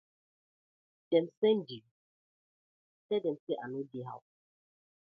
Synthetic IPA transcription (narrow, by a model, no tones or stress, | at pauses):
d̥ɛmsɛ̃ndi | tɛdɛmseʔanodeɦa̰w